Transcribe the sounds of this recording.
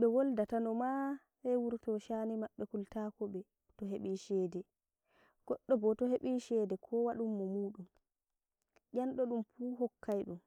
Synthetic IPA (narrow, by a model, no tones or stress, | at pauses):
ɓɛwɔldatanɔma | ɛwuɾtɔʃanimaɓːɛkultaːkɔɓɛ | tɔɦeɓiʃɛːdɛ | ɡ̥ɔɗːɔbɔtɔheɓiʃɛːdɛkʰɔwaɗumːɔmuːɗum | ʔanɗɔɗumfuɦɔkʰːajɗum